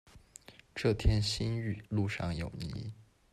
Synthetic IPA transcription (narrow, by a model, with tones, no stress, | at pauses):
ʈ͡ʂɤ˥˩t̪ʰjɛ˥nɕi˥ny˥˨˩lu˥˧ʂɑ̰˥˩ŋjo˨˩ʊnḭ˧˥